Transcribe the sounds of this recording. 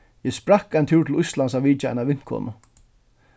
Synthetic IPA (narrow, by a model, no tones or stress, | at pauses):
jɛspɾakːaɪnt̪ʰuːt̪ʰɪlʊjst̪lans̬aʋiːt͡ʃaa̰naʋɪn̥kʰɔ̰ːnʊ